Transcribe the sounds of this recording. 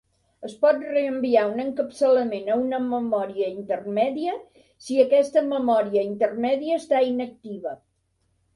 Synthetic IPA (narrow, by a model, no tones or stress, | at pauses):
əspɔt̪reəmbiaunəŋkəpsələmenəunəməmɔɾiəint̪ərmɛðiə | siəkɛst̪əməmɔɾiəint̪ərmɛðiəːst̪ainək̚t̪iβə